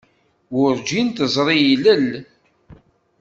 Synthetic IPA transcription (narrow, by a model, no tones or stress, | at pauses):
wʊɾd͡ʒint̪əzˤɾˤijiləl